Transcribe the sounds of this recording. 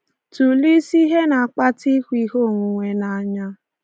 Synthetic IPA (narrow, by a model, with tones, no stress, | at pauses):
tu˨li˦si˦ɦe˦na˨a˨k͡pa˦ti˦kʷi˦ɦo˦˨ŋʷu˨ŋʷe˨na˨˦ɲa˦